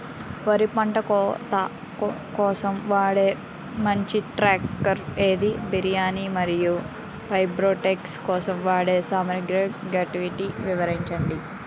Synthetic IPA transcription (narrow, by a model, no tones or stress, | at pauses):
ʋɐɾipɐɳʈɐkɔt̪ɐ | kɔːsɐmʋaːɽe̞ː | mɐɲt͡ʃiʈɾaːkːɐɾeːd̪ibiɾijaːnimɐɾiju | pɐjbɾoːʈekskɔːsɐmʋaːɽe̞ːsaːmɐɾɐɡɾɐɡaːʈiʋiʈiʋiʋɐɾiɲt͡ʃɐɳɖi